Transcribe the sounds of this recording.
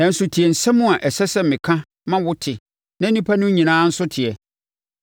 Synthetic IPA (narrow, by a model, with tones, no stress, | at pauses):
nã˨n̩˦sʊ˨tʰɪ˨ɛ˨n̩˨sɛ̃˦mʊ̃˦a˨ʔɛ˨sɛ˦sɛ˦mɪ̃˨kʰã˦ | mã˦wʊ˦tʰɪ˨ | nã˦nĩ˦pʰa˦nʊ̃˦ɲĩ˨nãː˦n̩˦sʊ˦tʰɪ˨ɛ˨